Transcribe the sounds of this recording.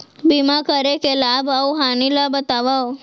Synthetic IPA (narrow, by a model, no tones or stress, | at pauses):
bimãkəɾekelabauɦanilabət̪aʋao